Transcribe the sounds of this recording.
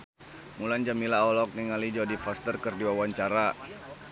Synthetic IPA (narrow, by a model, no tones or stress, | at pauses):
muland͡ʒamilaɔlɔk̚niŋalid͡ʒɔdifɔst̪ərkərdiwawaɲt͡ʃaɾa